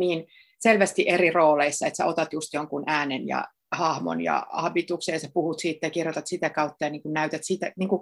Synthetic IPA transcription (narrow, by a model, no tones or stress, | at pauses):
niːn | selʋæst̪iʔeriroːleisːɑet̪sæ̰ot̪ɑt̪just̪joŋkunʔæːnenjɑ̰ | hɑhmo̰njɑ̰ɑ̰bit̪uksejɑsæpuhut̪siːt̪ːejɑkirjot̪ɑt̪sit̪ækɑut̪ːɑjɑniːŋkunnæyt̪æt̪sit̪æniːŋku